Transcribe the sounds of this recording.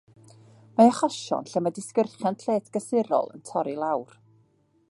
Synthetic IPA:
maaχɔʃɔ̰nɬɛmadɪskərχjantʰeːtʰɡ̥əsɪɾɔ̰lˠə̰ntʰɔɾilˠawr

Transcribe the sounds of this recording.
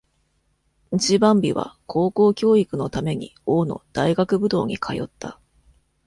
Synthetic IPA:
it͡ɕibãmbʲiβa̰kʰo̞ːko̞ːkʲo̞ːikɯ̟no̞t̪ame̞ɲ̟ḭo̞ːno̞̰d̪̥aiɡakɯ̟bɯ̟d̪o̞̰ːɲ̟ikʰajo̞̰t̪ːa̰

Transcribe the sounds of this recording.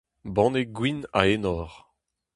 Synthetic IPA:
bɑ̃ːneɡwina̰enɔːʁ

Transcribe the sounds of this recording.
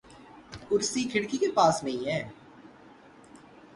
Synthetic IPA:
kʊɾsikʰɪɽkikepaːsnə̃ĩːɦɛ̃ː

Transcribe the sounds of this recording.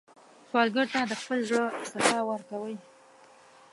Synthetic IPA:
swɑlɡəɾt̪ad̪əxpəlʒɽəɪst̪ɪfɑwəɾkawəj

